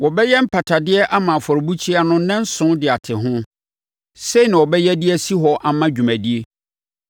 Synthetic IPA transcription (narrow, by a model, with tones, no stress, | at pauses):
wɔ˨bɛ˦jɛ˦m̩˦pʰa˨tʰa˨dɪ˦ɛ˦ʔa˦mã˨fɔ˨ɾɪ˨bu˦t͡ɕʰi˦a˦nʊ̃˦nɛ̃˦n˦sʊ̃˦dɪ˨a˨tʰɪ˨ɦʊ̃˦ | se˦i˨nã˨wɔ˨bɛ˦jɛ˦dɪ˦ɛ˦si˦ɦɔ˨ʔa˨mã˦d͡ʑᶣu˨mæ̃˨di˦e˦